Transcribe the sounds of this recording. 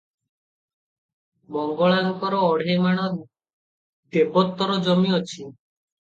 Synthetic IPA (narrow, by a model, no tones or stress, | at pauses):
mɔŋɡɔɭaŋkɔɾɔːɽ̤ʱemaɽ̃ɔ | d̪ebɔt̪ːɔɾɔd͡ʒɔmiɔt͡ʃʰi